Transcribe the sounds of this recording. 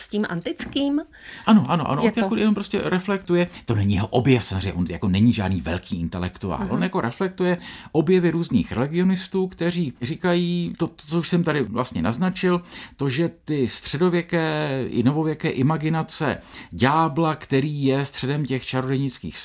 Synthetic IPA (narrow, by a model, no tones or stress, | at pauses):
scimʔa̰nt̪ɪt͡skiːm | ʔano̞ʔa̰noʔa̰noakoɛnompɾoscɛɾɛflɛkt̪ujɛt̪onɛɲijɛɦoʔobjɛfsamozrejɲːɛʔonja̰ko̞nɛɲiʒa̰ːdniːvɛ̰lkiːɪnt̪ɛlɛ̰kt̪ua̰ːllʔonjako̞ɾʔɛflɛk̚t̪ujɛʔo̞bjɛvɪɾuːznḭːxɾɛ̰lɪɡɪo̞nɪst̪uːkt̪ɛr̝iːrikajiːt̪oot͡souʃsɛmt̪adɪvlʔast̪ɲɛnaznat͡ʃɪlt̪o̞ʒɛt̪ɪst̪r̝̥ɛdo̞vjɛkɛːɪ̰novovjɛkɛːʔɪmaɡɪnat͡sɛ̰ɟaːblakt̪ɛɾiːjɛst̪r̥ɛdɛmcɛxt͡ʃaɾodɛɲɪt͡skḭːxs